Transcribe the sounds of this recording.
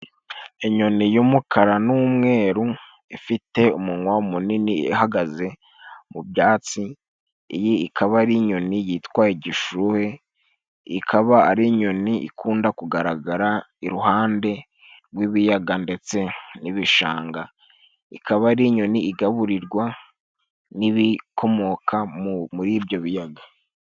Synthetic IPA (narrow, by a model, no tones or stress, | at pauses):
eɲo̞nijumukʰaɾanumŋe̞ːɾu | ifite̞umuŋwaumuniniihaɡaze̞ | mubjaːt͡si | ḭjiikʰaβaɾiɲo̞nijitwaːjiɟiʃuhe̞ | ikʰaβaːɾiɲo̞niʔḭkʰuːndakuɡaɾaɡaɾa | iɾuɦaːnde̞ | ɾɡwiβijaɡande̞t͡se̞niβiʃa̰ːŋɡa | ikaβaɾiɲoniiɡaβuɾiɾɡwa | niβikʰo̞mo̞kʰamuɾibjo̞βijaɡa